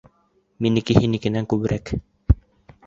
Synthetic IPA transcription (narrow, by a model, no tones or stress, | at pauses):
minikɘhinikɘ̆næŋkʉβɘ̆ɾʔæk